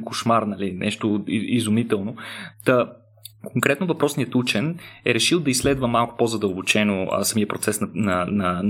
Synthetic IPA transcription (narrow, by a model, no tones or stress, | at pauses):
koʃmaɾnɐlinʔɛ̰ʃt̪oiizumit̪ɛlˠnot̪ɐ | kʰoŋkɾɛt̪nʊvɐpɾɔsnijət̪ut͡ʃɛnɛɾɛʃilˠd̪ɐislɛd̪vəmalˠkʊ̥pozɐd̪əlˠbot͡ʃɛno̰sɐmijəpɾot̪sɛsnɐnɐnɐ